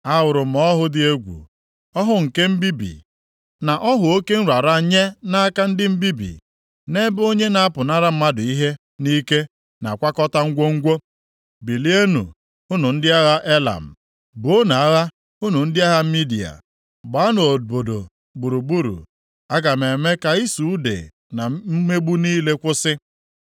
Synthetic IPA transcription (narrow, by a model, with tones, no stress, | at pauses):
a˦wʊ˨ɾʊ˨m̩˨ɔ˦ɦʊ˦dɪ˦e˦ɡʷṵ˨ | ɔ˦ɦʊ˦ŋ̩˨ke˦m̩˦bi˦bḭ˨ | na˨ʔɔ˦ɦʊ˨o˦ke˦n̩˦ɾa˨ɾa˦ɲe˦na˦a˦ka˦n̩˦dɪ˦m̩˦bi˦bḭ˨ | ne˦bo˦ɲe˦na˨˦a˦pʊ˨na˦ɾa˦m̩˦ma˦dʊ˨i˦ɦe˦ | ni˦ke˦ | na̰˨kʷa˦kɔ˦ta˦ŋ̩˦ɡʷo˦ŋ̩˦ɡʷo˦ | bi˨li˦e˦nṵ˨ | ʊ˦nʊ˨n̩˦dɪ˦a˦ɣa˦ʔe˦la̰˨m̩˨ | bo˦na˨a˦ɣa˦ | ʊ˦nu˨n̩˦dɪ˦a˦ɦa˦m̩˦mi˦di˨a̰˨ | ɡ͡ba˨˦no˨o˨bo˨do̰˨ | bu˨ɾu˨ɡ͡bu˦ɾṵ˨ | a˦ɡa˨me˨me˦ka˨i˦su˨u˦dḛ˨ | na˨m̩˦me˦ɡ͡bu˦niː˦le˦kʷʊ˦sɪ˦